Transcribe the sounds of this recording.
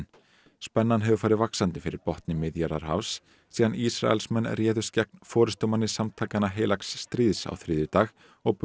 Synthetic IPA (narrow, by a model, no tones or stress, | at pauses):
n | spɛnːanɦɛvʏfaːɾɪðvaksant̪ɪfɪɾɪɾpɔht̪nɪmɪðjaɾaɾ̥ɦa̰vsː | iːðanisɾa̰ɛ̰lsmɛnːrjɛːðʏ̥scɛk̚nfɔːɾɪst̪ɔmanːɪsamt̪ʰaːkanaɦeːjlaksːt̪ɾiːðsa̰wθɾɪːðʏt̪aːɣ | ɔɣp